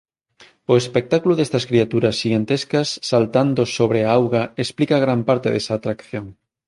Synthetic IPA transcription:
ʊespek̚t̪akuloðest̪ɐskɾiat̪uɾɐsːiɣant̪eskɐsːalt̪and̪osoβɾeaawɣaesplikaɣ̞ɾampaɾt̪eðesaːt̪ɾakθjoŋ

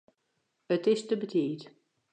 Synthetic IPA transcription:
ətɪstəbətiːt

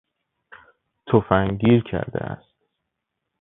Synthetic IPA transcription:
t̪ʰofæŋɟiːɾcʰæ̰ɾd̪ḛʔæ̰st̪̚

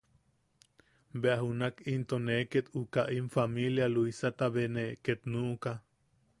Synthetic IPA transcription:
beaɦunakint̪oneket̪ukaʔimfamiljaluisat̪aβeneʔket̪nuʔka

